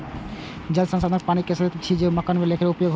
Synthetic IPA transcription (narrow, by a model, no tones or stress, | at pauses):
d͡ʑalsansad̪ɾpanikesd̪et̪t͡ɕʰid͡ʑemakanmelekʰeɾupojoɡɦ